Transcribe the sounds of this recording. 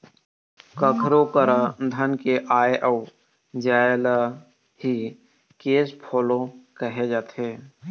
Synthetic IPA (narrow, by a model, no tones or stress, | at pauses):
kəkʰɾokəɾəd̪ʱənkeʔaːeʔəw | d͡ʒaːela | ɦi | keːspʰoːlokəɦed͡ʒaːt̪ʰeː